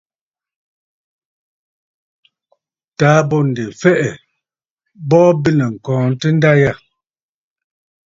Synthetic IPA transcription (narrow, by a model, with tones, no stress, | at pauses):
taː˨˦bɔ˦˨n̩˨de˨fɛ˦ʔɛ˨ | bɔː˦bi˦nɛ˨ŋ̩˨kɔ̃ː˨n̩˦tə˦n̩˦da˦ja˦˨